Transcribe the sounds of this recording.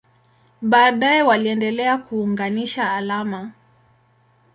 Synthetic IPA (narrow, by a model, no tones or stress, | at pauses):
ɓaːɗajɛwaliɛndɛlɛakuːŋɡaniʃaːlama